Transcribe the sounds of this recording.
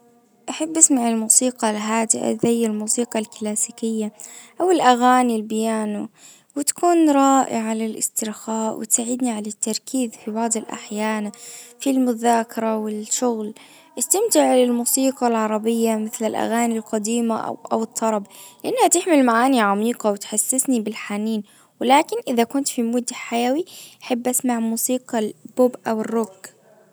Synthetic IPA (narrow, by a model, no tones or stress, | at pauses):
ʔaħabːʔasmaʕɪlmuːsiːqɑlɦaːd̪ɪʔa̰ðajːalmuːsiːqɑlklaːsikɪjːaʔawɪlʔaɣaːnilbɪjaːnu | wɪt̪ḁkuːnɾˤɑːʔɪʕalɪlʔɪ̰st̪ɪɾxaːʔwɪ̰t̪saːʕɪd̪niʕalat̪ːɑɾˤkiːðfibɑʕd̪ˤɪlʔa̰ħjaːnafilmʊðaːkɑɾˤɑwɪlʃʊɣl | ʔɪst̪amt̪ɪʕlɪlmuːsiːqɑlʕɑɾˤɑbɪjːamɪθlɪlʔa̰ɣaːnilqɑd̪iːma̰ʔa̰wɨt̪ˤːɑɾˤɑblɪʔanːhat̪ɪħmɪlmaʕaːniʕamiːqɑwɪt̪ħasːɪsnibɪlħaniːn | wɪlaːkɪnʔɪðakʊnt̪fimʊd̪ħajawiʔaħabːʔasmaʕmuːsiːqɑlbʊbʔawɪrːʊɡ